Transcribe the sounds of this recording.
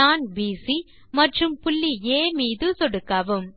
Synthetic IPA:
aːnbiːsi | mɐʈrɯmpʊɭːieːmiːðɯt̪ɔɽɯkːaːʋɯm

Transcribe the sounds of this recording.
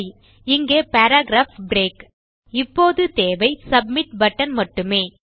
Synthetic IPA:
ɪŋɡeːpaːɾaːɡɾaːfbɾeːk | ɪpːoːðɯt̪eːʋɐɪsɐbmɪʈ̚bɐʈːɐnmɐʈːɯmeː

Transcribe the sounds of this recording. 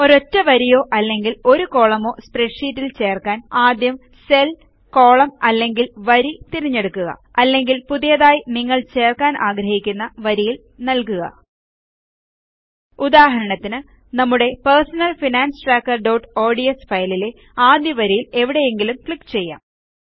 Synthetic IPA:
o̞ɾo̞tːɐʋɐɾijo̞ːʔɐlːe̞ŋɡilo̞ɾuko̞ːɭɐmo̞ːspreʈʂiːtːilt͡ɕe̞ːrkaːnaːd̪jɐm | se̞l | ko̞ːɭɐmɐlːe̞ŋɡilʋɐɾit̪iɾiɲːe̞ɽukːuɣɐ̰ɐlːe̞ŋɡilpuðijɐðaːjiniŋːɐɭt͡ɕe̞ːrkaːnʔaːɡɾɐhikʲːunːɐʋɐɾijil | nɐlkuɣɐ̰ | ud̪aːɦɐɾɐɳɐt̪ːinɨ | nɐmːuɽe̞persɐnɐlfinaːnsɨʈraːkːɐrɖowʈo̞ːɖijɐsfɐjlile̞ | aːd̪jɐʋɐɾijile̞ʋiɽe̞jeŋɡilumkɭikːt͡ɕe̞jːa̰ːm

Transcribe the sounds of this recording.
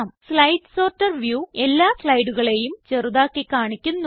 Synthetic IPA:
mslɐjɖso̞ːrtːɐrʋjuːe̞lːaːsɭɐjɽuɣɐɭe̞jumt͡ɕe̞ruðaːkːekːaːɳikʲːunːu

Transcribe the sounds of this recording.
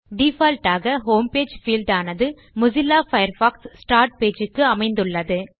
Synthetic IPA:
ɖifɐlʈaːɣɐɦoːmpeːd͡ʒfiːlɖaːnɐðɯ | mʊzɪlːaːfɐjɐɾfaːkssʈaːɾʈ̚peːd͡ʒɯkːɯɐmɐɪnd̪ɯɭːɐðɯ

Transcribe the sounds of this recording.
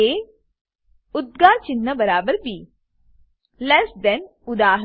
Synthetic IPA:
eː | ʊd̪̚ɡaːɾt͡ʃɪnːəbəɾaːbəɾbʱiː | lɛsd̪ɛn | ʊd̪aːɦ

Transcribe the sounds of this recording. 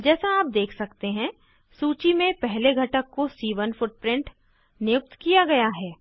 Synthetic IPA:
d͡ʒɛːsaaːp̚d̪eːkʰsɐkt̪eɦɛ̃ | suːt͡ʃimẽpɛɦleɡʱɐʈəkːosiːʋənfʊʈ̚pɾɪ̃ɳʈ | nɪjʊk̚t̪kijaɡɐjaɦɛː

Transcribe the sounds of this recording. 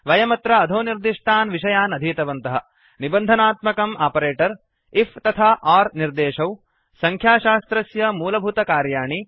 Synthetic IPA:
ʋɐjɐmɐt̪ɾɐːd̪ʱoːniɾd̪iʂʈʰaːnʋiʃɐjaːnɐd̪ʱiːt̪ɐʋɐnt̪ɐɦɐ | nibɐnd̪ʱɐnaːt̪mɐkɐmʔaːpɐɾeːʈɐɾ | ift̪ɐt̪ʰaːʔaːɾniɾd̪eːʃɐw | sɐŋkʰjaːʃaːst̪ɾɐsjɐmuːlɐbʱut̪ɐkaːɾjaːɳi

